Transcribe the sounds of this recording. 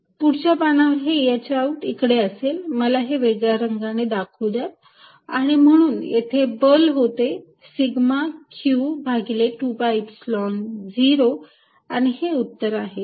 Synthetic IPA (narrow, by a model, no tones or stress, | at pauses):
puɽt͡ɕjapanaʋəɾɦejat͡ɕeauʈikɽeəselməlaɦeʋeɡɭaɾəŋɡaned̪akʰud͡zat̪̚ | aɽ̃im̤əɽ̃uːnjet̪ʰebəlɦot̪e | siɡmakʰjubʱaɡileʈuːbajpslɔnd͡ʑiɾo | aɽ̃iheut̪ːəɾaɦe